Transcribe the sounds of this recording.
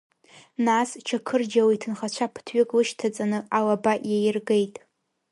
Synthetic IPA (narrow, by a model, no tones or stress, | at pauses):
nast͡ʃʰakʰɨrd͡ʒawitʰɨnχat͡ɕʷʰapʰtʰɥɪkʼlɨʃtʰat͡sʼanɨalabaʔjajɪrɡe̞jtʼ